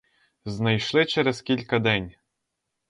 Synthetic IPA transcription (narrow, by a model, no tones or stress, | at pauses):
znɐjʃlˠɪt͡ʃɛɾɛskʲilʲkɐd̪ɛnʲ